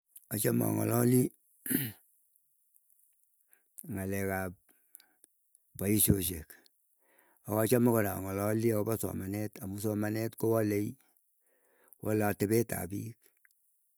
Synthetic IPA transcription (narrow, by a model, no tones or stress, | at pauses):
at͡ʃama̰ŋɔ̰lɔli | ŋalɛkap̚ | paiʃoʃek | akɔt͡ʃamakɔɾaŋɔlɔliakɔbasɔ̰manɛtamusɔmanɛtkowɔlei | walaːtebɛta̰pik